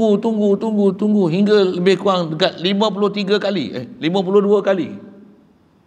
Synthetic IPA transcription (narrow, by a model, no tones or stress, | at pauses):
ut̪uŋɡut̪uŋɡut̪uŋɡuɦiŋɡaləbɪhkuaŋdəkat̪̚limə̃p̬ulʊht̪iɡakalḭə̰limãp̬ulʊhduəkalḭ